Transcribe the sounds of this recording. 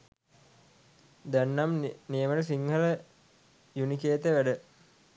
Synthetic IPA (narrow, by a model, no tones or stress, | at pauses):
d̪ænːamnijəmələsiŋhələ | junikeːt̪əʋæɖə